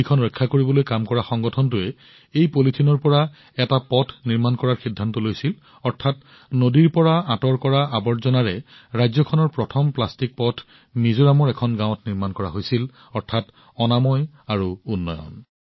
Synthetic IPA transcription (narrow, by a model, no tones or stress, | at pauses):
ikʰɔnɹɔjkʰːakoɹibɔlojkamkɔɹaxɔŋɡɔtʰɔntʊɛ | ejpolitʰinɔɹpɔɹa | ɛtapɔtʰniɹmankɔɹaɹxidʱːantɔlojsil | ɔɹtʰat | nodiɹpɔɹaãtɔɹkɔɹaabɔɹzɔnaɹɛɹajzɔkʰɔnɔɹpɹɔtʰɔmplastik̚pɔtʰ | nizoɹamɔɹɛkʰɔnɡãw̃ɔtniɹmankɔɹaɦojsil | ɔɹtʰat | ɔnamɔj | aɹuunːɔjɔ̰n